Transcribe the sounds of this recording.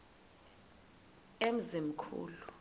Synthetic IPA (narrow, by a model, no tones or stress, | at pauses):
em̩zim̩kʰṵːlu